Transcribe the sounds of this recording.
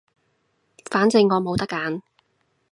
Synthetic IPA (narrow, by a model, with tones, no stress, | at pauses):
faː˨˥nt͡sɪ˧ŋːɔː˨˧mo˨˧wt̪ɐ˥kːaː˨˧n